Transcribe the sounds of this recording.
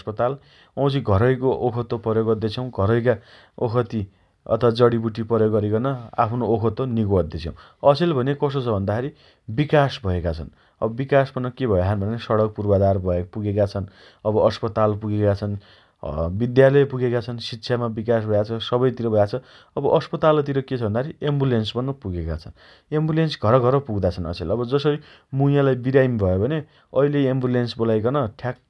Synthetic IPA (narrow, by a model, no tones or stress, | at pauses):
spʌt̪al | ʌ̃w̃t͡sʰiɡʱʌɾʌjkoʔokʰʌt̪ːopʌɾjoɡʌd̪et͡sʰʌw̃ɡʱʌɾʌjka | okʰʌt̪i | ʌ̰t̪ʰʌwad͡zʌɽibuʈipʌɾjoɡʌɾikʌnʌa̰pʰnookʰʌt̪ːoniɡoʌt̪d̪et͡sʰʌw̃ | ʌselbʱʌnekʌsot͡sʰʌbʱʌnd̪akʰeɾi | bikasbʱʌekat͡sʰʌn | ʌ̰bʌbikaspʌnʌkebʱʌjeɦanbʱʌnesʌɽʌk̚purbad̪arbʱʌepuɡekat͡sʰʌn | ʌbʌʔʌspʌt̪alpuɡekat͡sʰʌn | bid̪jalʌjpuɡekat͡sʰʌnsitːsʰjamabikasbʱʌjat͡sʰʌsʌbʌjt̪iɾʌbʱʌjat͡sʰʌ | ʌbʌʔʌspʌt̪alt̪̬iɾʌket͡sʰbʱʌnd̪aɦʰɾiembulensbʌnːʌpuɡeka̰t͡sʰʌn | embulensɡʱʌɾʌɡʱʌɾʌpuɡd̪at͡sʰʌnʌ̰selʌbʌd͡zʌsʌɾi | muijalajbiɾajmbʱʌjobʱʌne | ʌileːmbulensbolajkʌnʌʈʰjak̚